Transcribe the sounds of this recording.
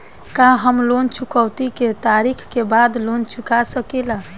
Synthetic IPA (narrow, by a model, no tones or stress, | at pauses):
kaɦəmlont͡ʃʰukəwt̪iket̪aɾikʰkebad̪lont͡ʃʰukasəkela